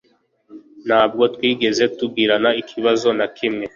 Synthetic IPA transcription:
n̤̥haːb̚ɡo̞twiːɡe̞ze̞tub̚ɡiːɾanaikʰiβazo̞nakʰimŋe̞

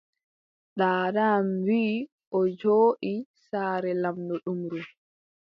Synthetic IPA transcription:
ɗaːdaːmwiː | ʔɔd͡ʒoːʔisaːɾɛlamdɔɗumɾu

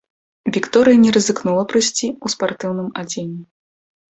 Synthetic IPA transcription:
vʲikt̪ɔɾɨjɐnʲɛɾɐzɨknulˠɐpɾɨsʲt͡sʲiuspart̪ɨwn̪ɨmad͡zʲenʲːɛ

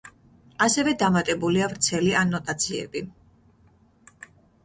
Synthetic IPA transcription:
asɛvɛd̪amat̪ʼɛbuliavɾt̪sʰɛlianɔt̪ʼat̪sʰiɛ̰bi

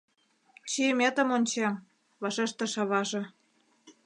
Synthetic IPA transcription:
t͡ɕiəmʲet̪ə̆monʲt͡ɕem | βɑʃeʃt̪ə̆ʃɑβɑʒĕ

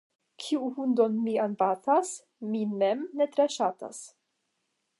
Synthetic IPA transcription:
kʰiuhundonmianbatas | minemnetɾeʃata̰s

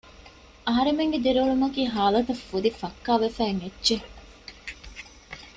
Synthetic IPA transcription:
ɐɦɐɾemeŋɡed̪eɾɐɭumɐkiːɦaːlɐt̪ɐfːud̪ifɐkːaːʋefæːŋedːd͡ʒe

